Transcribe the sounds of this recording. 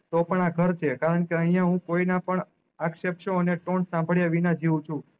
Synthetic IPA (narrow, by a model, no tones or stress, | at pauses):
t̪opəɳaɡʱəɾt͡ʃʰekaɾəɳkeəɦĩjaɦũkoinapəɳ | akʃepʃoəneʈoɳsãmbʱəɭjaʋinad͡ʒʱiʋũt͡ʃʰũ